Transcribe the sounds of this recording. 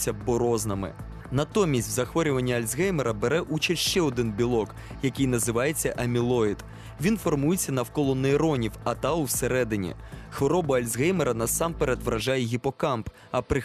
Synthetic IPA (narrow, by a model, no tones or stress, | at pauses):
ɐbɔɾɔznɐmɪ̰ | nɐt̪ɔmʲːisʲtʲwzɐxʋɔɾʲʊʋɐnʲːɐɐlʲzɦɛjmeɾɐbeɾɛʔut͡ʃiʃt͡ʃɛɔd̪ɪnbʲilˠɔk | jɐkɪjnɐzɪʋɑjet͡sʲːɐʔɐmʲilˠɔid̪̥ | ʋʲinfɔrmujet͡sʲːɐnɐwkɔlˠɔnːeːɾɔnʲiwɐt̪ɑuseɾɛd̪ɪnʲḭ | xʋɔɾɔbɐɐlʲzɦɛjmeɾɐnɐsɑmpeɾed̪ʋɾɐʒɑjɛɦʲipɔkɑmp | ɐpɾɪ